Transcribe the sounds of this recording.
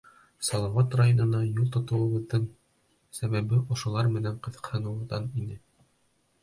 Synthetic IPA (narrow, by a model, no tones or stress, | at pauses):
sɒlˠɑwɑt̪rajonɤ̆nɑjulˠt̪ŏt̪ɤ̆wɤ̆βɤ̆ðɤɴ | sæβæβɘʔŏʃŏlˠɑɾmɘ̆næɴqɤ̆ðɤ̥̆qhɤ̆nɤ̆ðɑninɘ